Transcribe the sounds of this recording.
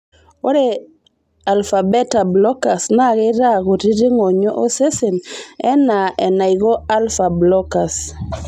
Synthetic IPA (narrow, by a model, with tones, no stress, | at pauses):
o˦ɾe˨ | a˨lfa˨be˦ta˨blɔ˦ka˨sna˦˨ɣe˦ɾa˦ɣo˨ti˦ti˦ŋo˨ɲo˦ʔo˦se˦se˨nɛ˦na˨ʔɛ˨na˨iɣɔ˦a˦lfa˨blɔ˦ka˨s